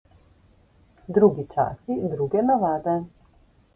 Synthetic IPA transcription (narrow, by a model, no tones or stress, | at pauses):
d̪ɾuɡit͡ʃa̰sid̪ɾuɡɛnavaːd̪a